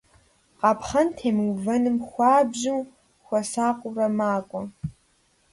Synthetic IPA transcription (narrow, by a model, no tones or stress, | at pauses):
qʼɑpʰχɐntʰeːmɨwvɐnɨmxʷɑːbʑuw | xʷɔsaːqʷʼʊrɐmaːkʷʼɔ